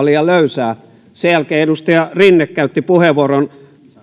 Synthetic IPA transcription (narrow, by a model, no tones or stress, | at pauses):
lijɑløysæː | sejælkeːedust̪ɑjɑrinːekkæyt̪ːipuheʋoron